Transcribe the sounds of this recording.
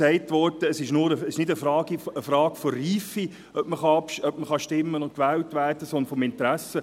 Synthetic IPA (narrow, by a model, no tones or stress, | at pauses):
ɛɪtʋɔrtəːsɪʃnʊːɾəsɪʃnɪdəfɾɑːɡiəfɾɑːkfɔriːfi | œpməχɑɑpʃœp̚məχɑʃtɪmːənʊnt̚kʋɛːltʋæːrd̥əsɔnd̪əɾfɔmɪntɾæsə